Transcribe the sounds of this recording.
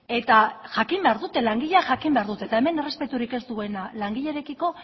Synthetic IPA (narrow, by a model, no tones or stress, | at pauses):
e̞t̪aʝakimbe̞aɾðut̪e̞laŋɡiʎeaʝakimbe̞aɾðut̪et̪aeme̞ne̞re̞spe̞t̪uɾike̞st̪ue̞nalaŋɡiʎeɾekiko̞